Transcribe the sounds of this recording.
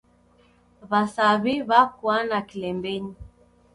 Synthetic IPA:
βasaβiβakwanakilɛmbɛɲi

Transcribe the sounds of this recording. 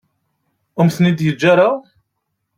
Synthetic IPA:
ʊmθnid̪jəd͡ʒːaɾa

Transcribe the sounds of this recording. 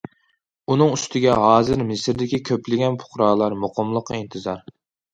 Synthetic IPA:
unɨŋyst̪ʰɪɡʲɛɦɑːzɪɾmɪsɾd̪ɪkʲikʲʰøplɪɡʲɛnpʰʊ̥χɾɑːlˠɑɾmoqʰʊmlˠəqːint̪ʰɨzɑɾ

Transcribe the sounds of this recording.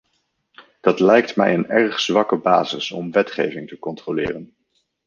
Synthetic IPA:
d̥ɑtlɛjktmɛ̰jənɛrχz̥ʋɑkəbaːzɪsɔmʋɛtχejvɪŋtəkɔntrolɪːrən

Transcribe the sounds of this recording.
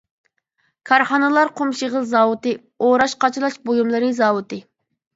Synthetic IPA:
kʰɑɾχɑnɨlˠɑɾqʰomʃiʁəzˠzɑːwut̪ɨ | oɾɑʃqʰɑt͡ʃʰilˠɑʃbojumlˠɨɾɨzɑːwut̪ɨ

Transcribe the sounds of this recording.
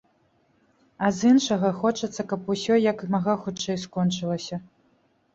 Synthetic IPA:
ɐzɨnʂɐɣɐxɔt͡ʂɐt̪sːɐkɐpusʲɔjɐkmaɣaxut͡ʂɛjskɔnt͡ʂɨlˠɐsʲɐ

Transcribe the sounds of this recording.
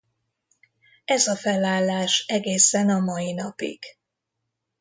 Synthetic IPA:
ɛzɒfɛlaːlːaːʃɛɡeːsɛnɒmɒjinɒpḭɡ̥

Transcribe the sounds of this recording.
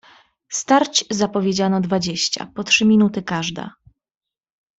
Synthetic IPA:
st̪aɾt͡ɕzapɔvʲjed͡ʑanɔd̪vad͡ʑeɕt͡ɕa̰pɔtʂɘmʲinut̪ɘkaʐd̪a̰

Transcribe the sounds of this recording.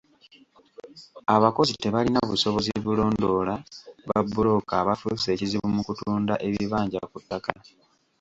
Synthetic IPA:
aβako̞zite̞βalinaβuso̞βo̞ziβulo̞ːndo̞ːlaβabːulo̞kaβafuse̞ːciziβumukutuːndaʔe̞βiβaːɲɟa̰kutːaka

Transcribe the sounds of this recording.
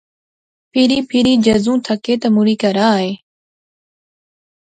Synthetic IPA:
pʰɪɾiːpʰɪɾiːd͡ʒəzũːt̪ʰəkeːt̪əmuɾiːkəɾaːɦeː

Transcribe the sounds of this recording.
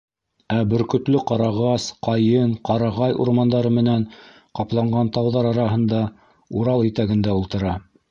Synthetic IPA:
æbɵ̆ɾkɵ̆t̪lɵqɑɾɑʁɑsqɑjɤɴqɑɾɑʁɑjṵɾmɑnd̪ɑɾɤmɘ̆næn | qɑplˠɑɴɢɑnt̪ɑwðɑɾɑɾɑɦɤ̆nd̪ɑ | uɾɑlˠit̪æɡɘ̆nd̪æulˠt̪ɤ̆ɾɑ

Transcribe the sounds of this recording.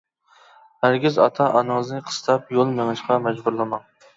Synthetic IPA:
hæɾɡʲizɑt̪ʰɑʔɑnɨŋəznɨqʰə̥st̪ʰɑp̚jolˠmeŋɨʃqʰɑmɛd͡ʒbuɾlˠɨmɑŋ

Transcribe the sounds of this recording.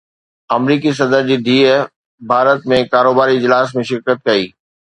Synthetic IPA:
ɐmɾiːkis̬ɐd̪əɾd͡ʑiːɖ̪ʱiː | bʱaːɾət̪mẽkaːɾoːbaːɾiɪd͡ʑlaːs̬mẽʃɪɾkət̪̚kɐiː

